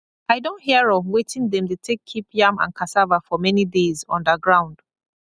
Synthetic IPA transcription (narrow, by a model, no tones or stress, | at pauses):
aɪdõntɦiəɹɔvwetĩŋðɛ̃mtutʰekʰːipjãmã̰nkʰasavafɔmɛnidezɔ̰̃ndəɡɹãʊ̃nd̥